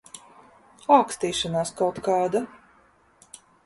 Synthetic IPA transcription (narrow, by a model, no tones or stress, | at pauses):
aːkst̪iːʃanaːskawt̪kɑːd̪a